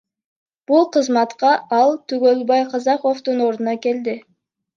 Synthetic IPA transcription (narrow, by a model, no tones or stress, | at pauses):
b̥ulˠqəzmɑt̪qɑʔɑlˠt̪ʰyɡølbɑjqʰɑzɑqo̞ft̪uno̞ɾd̪ənɑkʲe̞ld̪ɪ